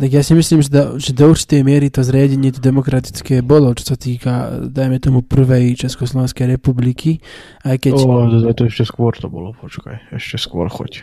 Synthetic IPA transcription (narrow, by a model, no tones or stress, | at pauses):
t̪aɡjaːsimisliːmʒɛd̪aʒɛd̪ɔuɾt͡ʃi̥t̪ɛjmɪɛɾit̪ɔzɾɪaɟɛɲɪɛt̪ɔd̪ɛmɔkɾat̪i̥t͡skɛːbɔlɔt͡ʃɔ̥sat̪iːkad̪ajmɛt̪ɔmupr̩ʋɛjt͡ʃɛskɔslˠɔʋɛnskɛjɾɛpubliki | ajkɛɔd̪ɔd̪ɾajt̪ɔɛʃcɛskʋɔɾt̪ɔbɔ̰lɔpɔt͡ʃka̰jɛʃcɛskʋʊɔ̰ɾxɔ̰c